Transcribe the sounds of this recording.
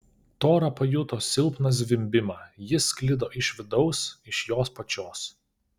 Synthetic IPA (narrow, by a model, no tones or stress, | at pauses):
t̪oːɾɐpɐjʊt̪oːsʲɪlˠˑpnɐs̬ʲʋʲɪmʲbʲɪmɑːjɪsʲklʲɪd̪oːʔɪʃʲʋʲɪd̪ɒʊsɪʃjoːspɐt͡ʃʲoːs